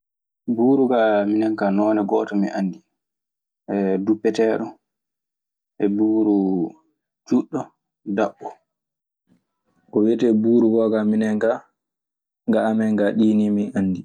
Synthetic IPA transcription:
buːɾuɡaminɛŋkanɔːnɛɡɔːtɔmiʔanːdi | ʔɛdupːɛtɛːɗɔ | ʔɛbuːɾu | d͡ʒuɗːɔ | daɓːɔ | kɔwɛtɛbuːɾuɡɔɡaminɛŋɡa | ɡaamɛŋɡaɗiːnimiʔanːdi

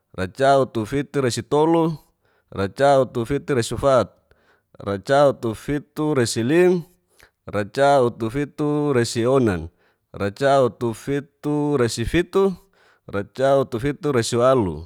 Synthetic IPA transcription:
rat͡ʃaut̪ufit̪uɾasit̪olu | rat͡ʃaut̪ufit̪uɾasufat̪̚ | rat͡ʃaut̪ufit̪uɾasilim | rat͡ʃaut̪ufit̪uɾasionan | rat͡ʃaut̪ufit̪uɾasifit̪u | rat͡ʃaut̪ufit̪uɾasiualṵ

